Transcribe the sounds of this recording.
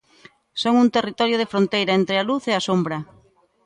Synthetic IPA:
soŋunt̪erit̪ɔɾjʊð̞efɾont̪ejɾɐent̪ɾealuθeasombɾɐ

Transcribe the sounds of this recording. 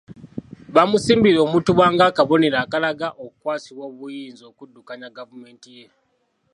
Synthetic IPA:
βamusiːmbiɾo̞ːmutuwaːŋɡaːkaβo̞neɾaːkalaɡaʔoku̥kwaːsiβwo̞ːβujiːnzo̞ːkudːukaɲaɡavume̞ːntije

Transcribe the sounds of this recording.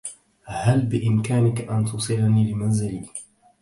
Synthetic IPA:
halbɪʔɪmkaːnɪkaʔant̪usˤɨlaniːlɪmanzɪliː

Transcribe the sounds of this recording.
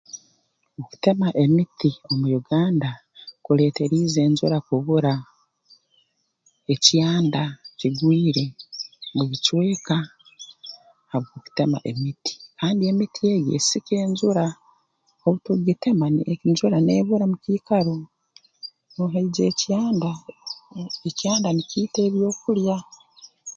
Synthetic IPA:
oku̥te̞maʔemitio̞mujuɡaːnda | kule̞ːte̞ɾiːze̞ːɲzuɾakuβuɾa | ecjaːndaciɡwiːɾe̞muβit͡ʃwe̞ːka | haβɡoku̥te̞ma̰ʔe̞miti̥kaːndie̞mitʰie̞ɡḛsike̞ːɲzuɾa | oβutuɡite̞maniɲzuɾaneːβuɾamuciːkaɾo | noːɦeid͡ʒe̞ːcjaːnda | ecjaːndaniciːte̞ːβjo̞ːkulja

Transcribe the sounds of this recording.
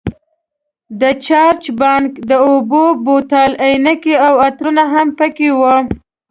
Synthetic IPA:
d̪ət͡ʃɑɾt͡ʃbɑnkd̪əobobot̪ɑlajnakeawat̪ɾunaɦampəkewə

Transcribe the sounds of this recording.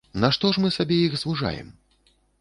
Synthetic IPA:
nɐʂt̪ɔʂmɨsabʲɛjixzvuʐa̰jɛ̰m

